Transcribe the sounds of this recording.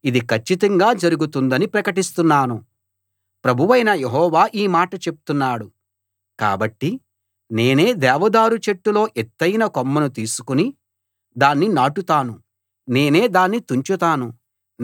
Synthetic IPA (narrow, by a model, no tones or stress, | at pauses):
id̪ikʰɐt͡ʃːit̪ɐŋɡaːd͡ʒɐɾuɡut̪und̪ɐnipɾɐkɐʈist̪unːaːnu | pɾɐbʱuʋɐjnɐjeɦɔːʋaːʔiːmaːʈɐt͡ʃe̞pu̥t̪unːaːɽu | ka̰ːbɐʈːi | ne̞ːne̞ːd̪ɛːʋɐd̪aːɾut͡ʃeʈːulo̞ːʔet̪ːɐjnɐkomːɐnut̪iːsu̥kuni | d̪aːnːinaːʈut̪aːnu | ne̞ːne̞ːd̪aːnːit̪uɲt͡ʃut̪aːnu